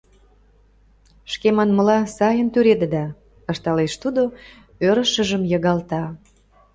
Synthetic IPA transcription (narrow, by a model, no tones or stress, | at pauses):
ʃkemɑnməlɑsɑjənt̪yɾed̪ə̆d̪ɑ | ə̆ʃt̪ɑleʃt̪ud̪o | øɾə̆ʃə̆ʒəmjəɣɑlt̪ɑ